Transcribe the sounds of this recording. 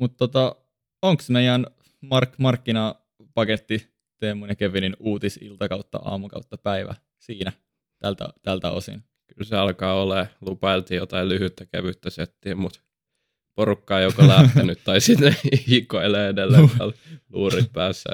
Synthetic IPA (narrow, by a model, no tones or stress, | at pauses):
mut̪t̪ot̪ɑ | oŋksmeijæn | mɑrkmɑrkːinɑː | pɑket̪ːi | t̪emːunekeʋininuːt̪isḭlt̪ɑkɑut̪ːɑ̰ʔɑ̰ːmukɑ̰ut̪ːɑpæiʋæ̰ | siːnæ | t̪ælt̪æ̰t̪ælt̪æ̰o̰sḭn | kylseɑlkɑːoleːlupɑilt̪iːjot̪ɑillyhyt̪ːækæ̰ʋyt̪ːæset̪ːiːmmut̪ | porukːɑːjokolæht̪ænyt̪t̪ɑisit̪neikːoileːedelːeʋlluːrit̪̚pæːsːæ̰